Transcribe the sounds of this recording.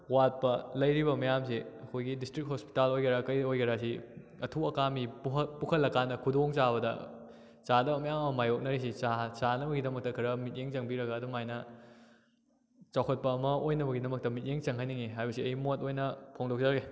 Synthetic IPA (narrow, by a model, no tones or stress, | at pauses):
wat̚pɐlɐjɾibɐmɐjams̬eɐkʰojɡidistɾikt̚hospi̥talojkɐɾakɐjojkɐɾasi | ɐtʰuɐkamipupukʰɐlːɐkanɐkʰudoŋt͡ʃaβɐdɐ̰ | t͡ʃadɐbɐmɐjamɐmɐmajok̚nɐɾis̬it͡ʃat͡ʃanɐbɐɡidɐmɐk̚tɐkʰɐɾɐmit̚jeŋt͡ʃɐŋbiɾɐɡɐːdumajnɐ | t͡ʃawkʰɐt̚pɐːmɐojnɐbɐɡidɐmɐk̚tɐmit̚jeŋt͡ʃɐŋɦajniŋiɦajbɐsiɐjimotojnɐpʰoŋdok̚d͡ʒaɡe